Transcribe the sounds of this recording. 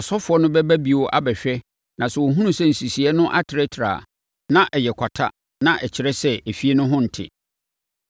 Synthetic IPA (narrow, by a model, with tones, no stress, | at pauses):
ɔ˨sɔ˦fʊ˨˦ɔ˦nʊ̃˦bɛ˦bæ˦bi˨wɔ˦ʔa̰˦bɛ˨ɕᶣɛ˦ | nã˨sɛ˨wo˨ɦũ˦nũ˦sɛ̃˦˨n̩˨si˨si˨ɛ˦nʊ̃˦ʔa˦tʰɾɛ˦tʰɾa̰˨ | nã˦ʔɛ˨jɛ˨kʰʷa˨tʰa̰˦ | nã˦ʔɛ˨t͡ɕʰɪ˨ɾɛ˦sɛ˦e˨fi˦e˦nʊ̃˦ɦʊ̃˦n̩˨tʰɪ̰˦˨